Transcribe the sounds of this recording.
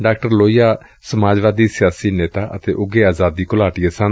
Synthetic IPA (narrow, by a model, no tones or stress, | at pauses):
ɖaːk̚ʈəɾloːijaː | səmaːd͡ʒʋaːd̪iːsɪjaːsiːneːt̪aːʔə̰t̪eːʔʊɡeːaːzaːd̪iːkʊlaːʈɪjesãn